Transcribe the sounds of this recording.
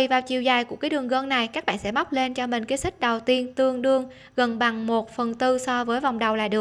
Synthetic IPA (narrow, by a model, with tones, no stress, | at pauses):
i˨˩vaː˨˩wt͡ɕi˨˩əwzaː˨˩jku˧˩əkaː˨˦jɗɨ˨˩əŋɣəː˧ŋna˨˩jkaː˦˥k̚ɓa̰ː˧˨sɛ̰˧˥ma˦˥wk͡p̚le˧nt͡ɕɔ˧mï˨˩ŋ̟kaː˨˦si˦˥k̟̚ɗə˨˩wt̪i˧ənt̪ɨ˧əŋɗɨ˧əŋ | ɣə˨˩nɓa˨˩ŋmo˨˩t̚fə˨˩nt̪ɨ˧sɔ˧vəː˨˦jva˨˩wŋ͡mɗə˨˩wla̰ː˨ɗɨ˨˩ə